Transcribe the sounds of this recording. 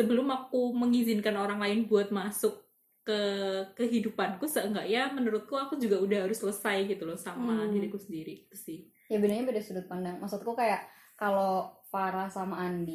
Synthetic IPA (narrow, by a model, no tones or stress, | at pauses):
səbəlʊmakuməŋizɪnkanoɾaŋlaɪnbuat̪̚masʊkː | əkəɦidupankusəŋɡaʔjamənəɾʊt̪̚kuakud͡ʒuɡaudahɦaɾʊsːləsajɡit̪ulɔsamadiɾiakusəndiɾiit̪usɪh | jabənaɲabedasudʊt̪̚pandaŋmaksʊt̪̚kukajaʔ | kalopaɾasamaːni